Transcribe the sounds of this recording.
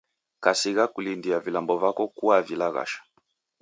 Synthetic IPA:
kasiɣakulindiavilambɔvakɔkuavilaɣa̰ʃḁ

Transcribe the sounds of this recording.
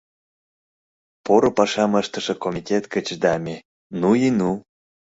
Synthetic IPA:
poɾopɑʃɑməʃt̪əʃə̆komʲitʲet̪kət͡ɕd̪ɑmʲe | nuinu

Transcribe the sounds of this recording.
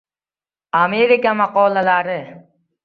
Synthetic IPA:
ameɾɪkamaqɔːlalaɾɪ

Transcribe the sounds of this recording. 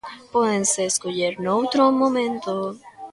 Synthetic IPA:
pweðenseːskuʝeɾnowt̪ɾomõmẽnt̪o

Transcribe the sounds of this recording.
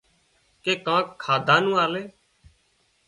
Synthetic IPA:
keːkãːkʰːaːd̪ʱãːnũːaːleː

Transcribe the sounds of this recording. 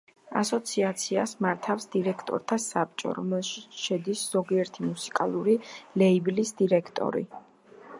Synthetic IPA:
a̰sɔt̪sʰiat̪sʰiasmaɾt̪ʰafsd̪iɾɛkʰt̪ʼɔ̰ɾt̪ʰasap̚t͡ʃʼɔ̰ɾɔ̰mɛlˠʃiʃɛd̪isz̥ɔɡiɛɾt̪ʰimusi̥kʼalˠuɾilɛiblisd̪iɾɛkʰt̪ʼɔ̰ɾḭ

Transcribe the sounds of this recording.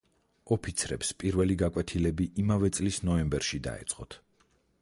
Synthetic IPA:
ɔpʰit̪sʰɾɛpspʼiɾvɛliɡakʼwɛt̪ʰilɛbiʔimavɛt̪sʼlisnɔɛmbɛɾʃid̪a̰ɛ̰t̪sʼqʼɔt̪ʰ

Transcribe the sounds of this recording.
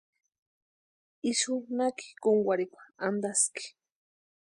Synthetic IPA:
iʃʊnaki̥kʊŋɡwʷaɾikʷḁand̪askɪ̥

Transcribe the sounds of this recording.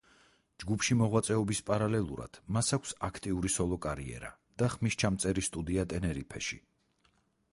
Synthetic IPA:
d͡ʒɡupʰʃimɔʁwat̪sʼɛɔbispʼaɾalɛlˠuɾa̰d̪̥masakʷʰsakʰt̪ʼiuɾisɔlˠɔkʼaɾiɛ̰ɾa̰ | d̪̥aχmist͡ʃʰamt̪sʼɛɾist̪ʼud̪iat̪ʼɛnɛɾipʰɛ̰ʃḭ

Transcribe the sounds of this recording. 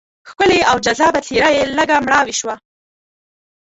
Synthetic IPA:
xkəleawd͡ʒazɑbat̪ʰeɾajeləɡamɽɑwiʃwa

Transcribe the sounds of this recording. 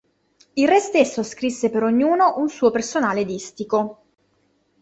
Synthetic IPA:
ilrɛst̪esːoskɾisːepeɾoɲːuːnoʔunsuːopersonaːled̪ist̪iko

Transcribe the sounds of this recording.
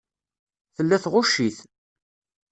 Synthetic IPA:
θəlːæθʁʊʃiθ

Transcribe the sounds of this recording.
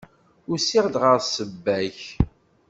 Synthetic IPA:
ʊɾsɪʁd̪ʁəʁsəbːæç

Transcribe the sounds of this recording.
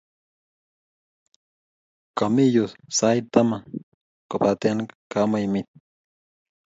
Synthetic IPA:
kamijusajt̪ama | kopat̪enkamajmit̪̚

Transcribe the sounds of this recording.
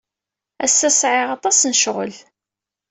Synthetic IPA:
æsːæsʕeʁɑt̪ˤɑsnʃʁə̰l

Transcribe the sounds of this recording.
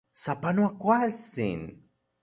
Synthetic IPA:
sapanuakʷalsḭn

